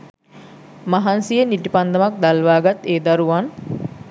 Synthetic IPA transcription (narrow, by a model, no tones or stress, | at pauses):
maɦansijəniʈipand̪ɐmak̚d̪alʋaːɡat̪eːd̪ɐɾuʋan